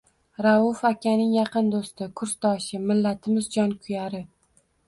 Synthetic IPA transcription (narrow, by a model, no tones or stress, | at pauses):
ɾaʊfakʲːanɪŋjɑqʰɨnd̪ost̪ɪkʰʊɾst̪ɒʃɪmɪlːat̪ʰɪmɪzd͡ʒɒnkʰʊjaɾɪ